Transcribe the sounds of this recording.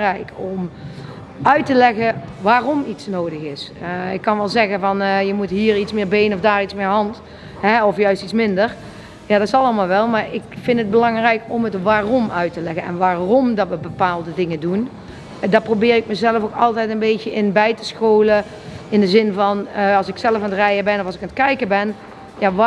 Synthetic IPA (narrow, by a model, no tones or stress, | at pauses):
rɛjkɔm | œɥtəlɛɣəʋaːrɔmitsnowdəɣɪsɪkːɑnʋɛlˠzɛɣənvɑnjəmutɦiːritsmɪːɹbejnɔfdaːritsmɪːɹɦɑnt | ɦɛɔfjœɥstitsmɪndəɹ | jaːdɑtɪsɑlˠəmaːlˠʋɛlˠmaːɹɪkfɪntəd̚bəlɑŋrɛjkɔmɦətʋaːrɔmœɥtəlɛɣənɛ̰nʋaːrɔmdɑtʋəbəpaːlˠdədɪŋədun | dɑt̚prowbɪːrɪk̚məzɛləfokɑlˠtɛjtənbejtəʔɪnbɛjtə̥sxoːlə | ɪndəzɪnvɑnɑlˠsɪksɛləfanətrɛjəbɛnɔfɑlˠsɪkanət̚kɛjkəbɛn | jaʋ